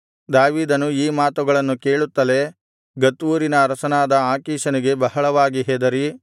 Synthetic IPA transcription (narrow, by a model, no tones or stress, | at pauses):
d̪aːʋiːd̪ɐnuiːmaːt̪uɡɐɭɐnːukeːɭut̪ːɐle̞ | ɡɐt̪ʋuːɾinɐːɾɐsɐnaːd̪ɐaːkiːʃɐniɡe̞bɐɦɐɭɐʋaːɡiɦɛːd̪ɐɾi